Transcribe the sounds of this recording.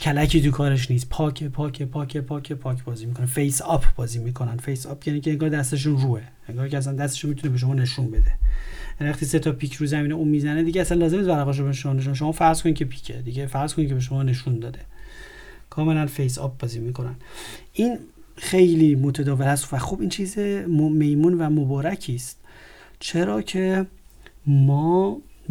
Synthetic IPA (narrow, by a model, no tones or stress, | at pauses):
cʰælæcʰiːt̪ukʰɒːɾeʃ̬niːspʰɒːkʰepʰɒːkʰepʰɒːkʰepʰɒːcʰepʰɒːkʰbɒːziːmikʰo̞nefejsɒpʰbɒːziːmiːkʰo̞nænfejsɒpjæːniːcʰeeŋɡɒːɾd̪æst̪e̞ʃ̬unruːe | eŋɡɒːɾicʰeæs̬ænd̪æst̪e̥ʃunmit̪ʰunebeʃ̬oɒːne̞ʃunbe̞d̪e̞jænivæχt̪ʰiːset̪ʰɒpʰiːkʰɾuzæmiːneuːmiːzæned̪iɟeæsænlɒːzemnisbæɾæɣɒːʃ̬obeʃomɒːneʃ̬unʃomɒːfæɾz̥ko̞nicʰe̞pʰi̥ːcʰed̪iɡɟefæɾz̥kʰo̞nikʰce̞beʃ̬o̞mɒːne̞ʃund̪ɒːd̪e̞ | kʰɒːme̞lænfejs̬ɒ̰p̚bɒːzimiːkʰo̞nænʔiːn | xe̞jliːmot̪ʰæd̪ɒːvelhæsvæxobiːnt͡ʃʰiːzemomejmuːnvæmobɒːɾæcʰiːst̪ | t͡ʃʰe̞ɾɒːcʰe̞ | mɒː